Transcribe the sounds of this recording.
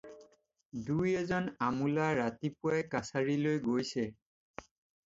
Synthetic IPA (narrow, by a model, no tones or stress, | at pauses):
dujɛzɔnamulaɹatipuajkasaɹilojɡojsɛ